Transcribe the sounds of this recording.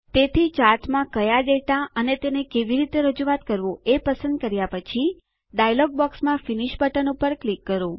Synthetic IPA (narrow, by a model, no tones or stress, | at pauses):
t̪et̪ʰit͡ʃaɾt̪mãkəjaɖeʈaənet̪enekeʋiɾit̪eɾəd͡ʒuʋat̪kəɾʋoepəsə̃nd̪̚kəɾjapət͡ʃʰi | ɖajlɔɡ̚bɔksmãfiniʃbəʈənupəɾklikːəɾo